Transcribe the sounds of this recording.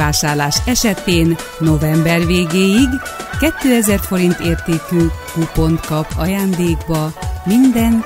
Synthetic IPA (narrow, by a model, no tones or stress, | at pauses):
aːʃaːrlaːʃɛʃɛt̪eːnː | o̞vɛmbɛrveːɡeːjiɡkɛt̪ːøːɛzɛrfo̞ɾint̪eːrt̪eːkykupo̞nt̪kɒpɒjaːnd̪eːɡbɒmind̪ɛn